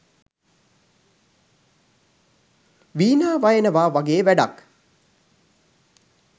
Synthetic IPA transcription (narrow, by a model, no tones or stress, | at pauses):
ʋiːnaːʋajenəʋaːʋaɡeːʋæɖa̰k